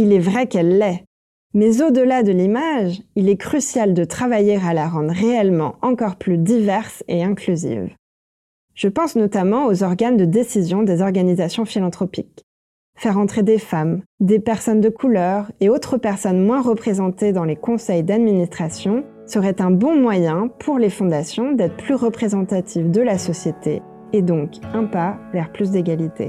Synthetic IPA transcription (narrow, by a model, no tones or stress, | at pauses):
ilɛvʁɛkɛlːɛ | mɛzod̪əlad̪əlimaʒilɛkχysjald̪ət̪χavajeʁalaʁɑ̃d̪ʁeɛlmɑ̰̃ɑ̃kɔʁplyd̪ivɛʁseɛ̃klyzḭv | ʒ̥əpɑ̃snɔt̪amɑ̃ozɔʁɡand̪əd̪esizjɔ̃d̪ezɔʁɡanizasjɔ̃filɑ̃t̪χɔpik | fɛʁɑ̃t̪χed̪efamd̪epɛʁsɔnd̪əkʰulœʁeot̪χəpɛʁsɔnmwɛ̃ʁəpχezɑ̃t̪ed̪ɑ̃lekɔ̃sɛjd̪ad̪minist̪χasjɔ̃ | səʁɛt̪ɛ̃bɔ̃mwajɛ̃pʰuʁlefɔ̃d̪asjɔ̃d̪ɛt̪χə̥plyʁəpχezɑ̃t̪at̪ʰivd̪əlasɔsjet̪ʰḛː | d̪ɔ̃kɛ̃palɛʁplys̬d̪eɡʲalit̪ḛ